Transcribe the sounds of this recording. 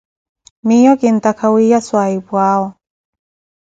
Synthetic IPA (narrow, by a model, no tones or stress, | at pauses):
mijɔkint̪akʰawijaswaibwaːwɔ